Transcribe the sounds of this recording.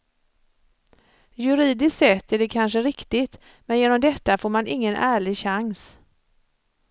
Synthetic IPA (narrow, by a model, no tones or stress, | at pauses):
jɵɾiːd̪ɪst̪sɛt̪ːæɖɛkʰanʂəɾɪkt̪ɪt̪ | mɛnjeːnɔmd̪ɛt̪ːafoːɾmanʔɪŋːənʔæːɭɪɡɕaŋs